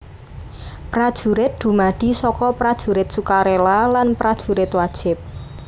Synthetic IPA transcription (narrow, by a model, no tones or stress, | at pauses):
pɾad̥ʒ̥ṳɾɪt̪̚d̪̥ṳmaɖ̥i̤sɔkɔpɾad̥ʒ̥ṳɾɪt̪̚sukaɾelalanpɾad̥ʒ̥ṳɾɪt̪wad̥ʒ̥ɪp̚